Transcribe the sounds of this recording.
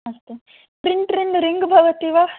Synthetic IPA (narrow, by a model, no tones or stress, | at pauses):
ɐst̪e | pɾiɳʈɾiɳɖɾiŋɡbʱɐʋɐt̪iːʋa